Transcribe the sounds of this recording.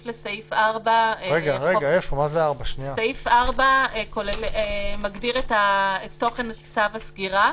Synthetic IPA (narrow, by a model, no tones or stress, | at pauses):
flesejfaʁbaʁeɡaʁeɡaefomazeaʁbaʃniasejfaʁbaeko̞lelemaɡdiʁetaet̪ːo̞χe̞nat͡savasɡiʁa